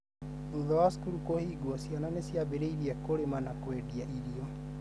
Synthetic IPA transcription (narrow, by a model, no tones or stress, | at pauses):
uðɔaskuɾukohiːɡwasiananesjabeɾeiɾiɛkoɾemanakwediaʔiɾiɔ